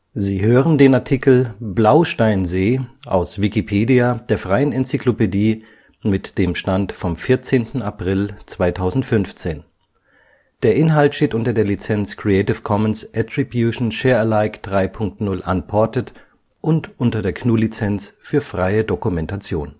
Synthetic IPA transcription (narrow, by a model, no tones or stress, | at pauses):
ziːɦøːʁəndeːnaɐtʰikl̩blaʊʃtaɪnzeːʔa̰ʊsv̥ikipʰeːdiad̥eːɐfʁ̥aɪənɛnt͡siklopediː | mɪtd̥eːmʃtantfɔmfɪɐt͡seːntn̩apʁ̥ɪlt͡sv̥aɪtʰaʊzn̩tfʏnft͡seːn | d̥eːɐʔɪnɦaltʃteːtʔʊntɐdeːɐlit͡sɛnt͡skʁ̥iɛɪtɪfkʰɔmənsʔɛtʁ̥ibjuʃn̩ʃeːɐɛlaɪkd̥ʁaɪpʰʊŋk̚tnʊlʔa̰npʰɔɐtət | ʔʊntʔʊntɐdeːɐkʰnuːlit͡sɛnt͡sfyːɐfʁ̥aɪədokumɛntat͡sjoːn